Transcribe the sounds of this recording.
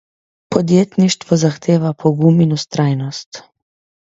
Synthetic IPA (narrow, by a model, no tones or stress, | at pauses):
pɔd̪jeːt̪niʃt̪ʋɔzaxt̪ʰeːʋapʰɔɡuminust̪ɾaːjnɔst̪